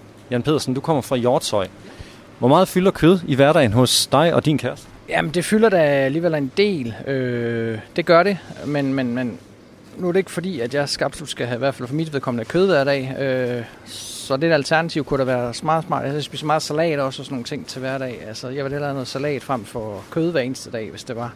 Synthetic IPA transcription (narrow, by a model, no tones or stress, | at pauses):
jænpʰe̝ðˠɐsn̩d̥ukʰɒ̽m̰ɐfʁɑ̈jɒ̥ːsʰɒ̽ɪ̰ | ʋɒmɑ̈ːð̩ˠfylɐkʰøð̞ˠiʋæɐɾ̥ɛ̰ɪnhɔ̽sd̥ɑ̈ɪʔɒ̽d̥inkʰæɐs | jæmnd̥e̝fylɐd̥æːliːʋel̰e̝nd̥e̝̰ːlød̥e̝ɡ̥ɶɐɾe̝menmenmen | nuæɐɾee̝ɡ̥fɒ̽d̥ḭːæd̥jɑ̈ɪsɡ̥ɑ̈b̥su̥sɡ̥æɦæiʋæɐ̰fælfɒ̽mid̥ʋe̝ð̞ˠkʰɒ̽mənəækʰøːð̞ˠʋæɐɾ̥ɛ̰ːø | sɒ̽d̥e̝dælt͡sʰæɐnæt͡sʰiʊkʰuɾ̥æʋæːɐsmɑ̰̈ːð̩ˠsmɑ̰̈ːd̥jæssb̥ḭːsmɑ̈ːð̩ˠsælɛ̰ːɾ̥ɒ̽sɒsɒ̽no̝ːn̩t͡sʰe̝ŋ̰t͡sʰe̝ʋæɐɾ̥ɛ̰ːælsəjɑʋeɾehelðnoːð̩ˠsælɛ̰ːd̥fʁam̰fɒkʰøːð̞ˠʋæɐe̝ːnəsd̥əd̥ɛ̰ːʋe̝sd̥e̝ʋɑ̈